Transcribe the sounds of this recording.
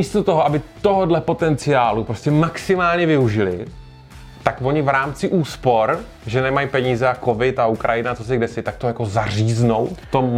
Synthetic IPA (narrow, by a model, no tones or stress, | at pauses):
ist̪ot̪oɦoabɪt̪oɦodlɛpo̞t̪ɛnt͡sɪaːlupɾo̞scɛmaksɪmaːlɲɛvɪuʒɪlɪ̰ | t̪akvo̞ɲɪvɾaːmt͡sɪʔuːspo̞ɾ | ʒɛnɛmajpɛɲiːzɛako̞vɪt̪aukɾʔajɪnat͡so̞s̬ɪɡdɛsɪt̪ak̚t̪ojako̞zariːzno̞wt̪o